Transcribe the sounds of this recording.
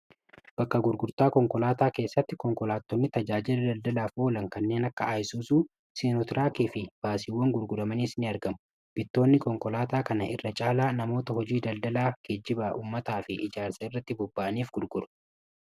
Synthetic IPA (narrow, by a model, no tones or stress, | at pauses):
b̥ɐkːɐɡʊɾɡʊɾt̪aːkɔŋkɔlaːt̪aːke̞ːsːɐt̪ːɪkɔŋkɔlaːt̪ːɔnːɪt̪ɐd͡ʒaːd͡ʒɪlɐd̪ɐld̪ɐlaːfo̞ːlɐŋkɐnːe̞ːnɐkːɐaːjɪsuːsuː | seːnɔt̪ɪɾʔaːkiːfɪb̥aːsɪwːɐŋɡʊɾɡʊɾɐmɐniːsnɪɐɾɡɐmʊ | b̥ɪt̪ːo̞ːnːɪkɔŋkɔlaːt̪aːkɐnɐʔɪ̰rːɐt͡ʃʼaːlaːnɐmo̞ːt̪ɐhɔd͡ʒiːd̪ɐld̪ɐlaːɡ̥ed͡ʒːɪbaʔuːmːɐt̪aːfɪʔɪd͡ʒaːɾsɐɪrːɐt̪ːɪbɔbːaʔɐniːfɡ̥ʊɾɡʊɾɐ̥